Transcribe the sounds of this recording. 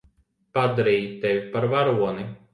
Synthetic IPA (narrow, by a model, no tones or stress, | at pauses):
pad̪aɾiːjt̪ʲɛvʲipaɾvaɾuɔni